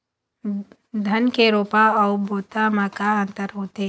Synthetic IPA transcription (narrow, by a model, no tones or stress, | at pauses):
d̪ʱɐnkeɾoːpaɔːboːt̪amakaə̃nt̪əɾɦoːt̪e